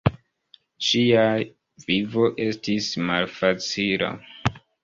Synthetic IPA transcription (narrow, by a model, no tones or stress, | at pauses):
ʃia | vivo̞ʔe̞stismalfat͡sila̰